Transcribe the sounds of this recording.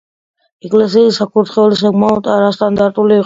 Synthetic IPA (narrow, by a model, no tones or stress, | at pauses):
ɛkʼlɛs̬iːsakʰuɾt̪χɛulis̬aɡmaɔt̪ʼaɾast̪ʼand̪aɾt̪ʼuliːq